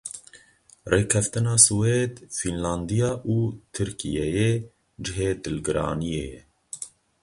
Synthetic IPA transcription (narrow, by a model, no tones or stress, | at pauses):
reːkʰɛft̪ɨnɑːsuweːd̪finlɑːnd̪ijɑːʔuːt̪ʰɨɾkḭjɛjeː | d͡ʒɪɦeːd̪ɨlɡɨɾɑ̰ːnijḛːjɛ̰